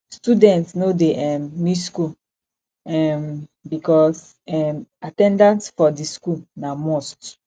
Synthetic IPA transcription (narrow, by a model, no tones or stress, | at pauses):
studɛ̃ntsnodeʔɛmmiskul | ɛmbikɔs | ɛmatɛ̃ndãntfɔdiskulnamost